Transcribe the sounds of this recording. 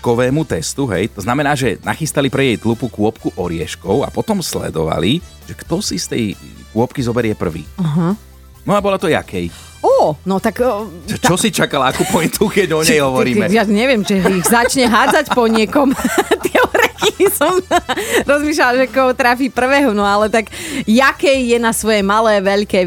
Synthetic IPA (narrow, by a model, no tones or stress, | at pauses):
kɔʋɛːmut̪ɛst̪uɦɛ̰jt̪ɔznamɛnaːʒɛna̰xist̪alipɾɛjɛjt̪lupukʊɔpkuʔɔɾɪɛʃkɔʊa̰pɔt̪ɔmslɛ̰d̪ɔʋa̰li | ʒ̥ɛkt̪ɔsist̪ɛj | kʊɔpkizɔbɛɾɪɛpr̩ʋḭːaɦa | nɔabɔlat̪ɔja̰kʰɛj | ɔːnɔt̪akːt͡ʃt͡ʃɔsit͡ʃakalakupɔint̪ukɛɟɔɲɛjɦɔʋɔɾiːmɛjaɲɛʋɪɛmʒɛiɣzat͡ʃɲɛɦaːd͡zacpɔɲɪɛkɔmt̪ɪɛɾɛkisɔmɾɔzmiːʃ̬lalʒɛkɔɦɔt̪ɾafiːpr̩ʋɛːɦɔnɔalɛt̪aɡjakɛjjɛnasʋɔjɛmalɛːʋɛʎkɛː